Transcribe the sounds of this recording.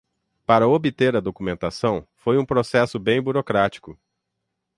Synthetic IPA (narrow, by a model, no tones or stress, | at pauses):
paɾɐobɪt̪eɾɐd̪okumẽnt̪asɐ̃w̃fojũpɾosɛsʊbẽj̃buɾokɾat͡ʃi̥kʊ